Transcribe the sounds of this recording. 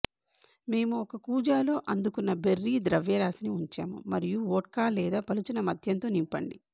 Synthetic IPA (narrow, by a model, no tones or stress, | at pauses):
me̞ːmuɔkɐkuːd͡ʒaːlo̞ːʔɐnd̪ukunːɐberːiːd̪ɾɐʋjɐɾaːsiniuɲt͡ʃa̰ːmṵmɐɾijuoːʈ̚kaːlɛːd̪aːpɐlut͡ʃinɐmɐd̪ʱjɐnt̪o̞ːnimpɐ̰ɳɖi